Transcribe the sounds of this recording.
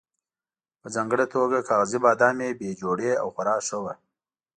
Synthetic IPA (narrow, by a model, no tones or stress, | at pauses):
pəzɑːŋɡəɽat̪ʰoɡakʰɑɣazibɑːd̪ɑmebed͡ʒoɽea̰wxaɾɑːʂəwa